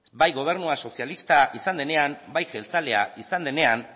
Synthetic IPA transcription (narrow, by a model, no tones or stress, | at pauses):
bajɣo̞β̞e̞ɾnuaso̞sialist̪aʔisand̪e̞ne̞ambajxe̞lt͡sale̞a̰isand̪e̞ne̞an